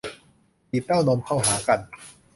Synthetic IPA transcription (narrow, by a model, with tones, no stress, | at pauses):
i˨˩t̪ːaː˥˩wnɔː˧mkʰa˥˩wɦaː˩˦ka˧n